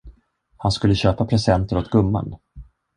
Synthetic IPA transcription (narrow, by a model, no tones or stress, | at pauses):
hanskɵlːəɕøːpapʰɾɛsɛnt̪əɾɔt̪ɡɵmːa̰n